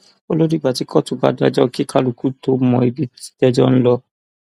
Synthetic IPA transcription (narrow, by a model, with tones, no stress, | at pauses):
o˦lo˦ɾi˦˨ɡ͡ba˨ti˨˦kʰɔ˦tu˨ba̰˨˦da˧˦d͡ʒɔ˦ki˦kʰa˦lu˨ku˦to˧˦mɔ̃˧˨i˨bi˦i̥˦dɛ˧d͡ʒɔ˦ñ̩˦lɔ˦